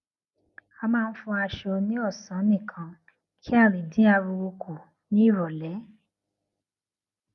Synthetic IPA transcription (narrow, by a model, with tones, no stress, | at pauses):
a˧mãː˦˧n̩˦fũ˧a˧ʃo˧nĩ˦ɔ˦˨sã˨˦nĩ˦˨kʰã˨˦ | kʰi˦a˦˨ɾĩ˨dĩ˨˦a˧ɾu˧wo˧kʰu˨ | nĩ˨˦i˦˨ɾɔ˨lɛ˨˦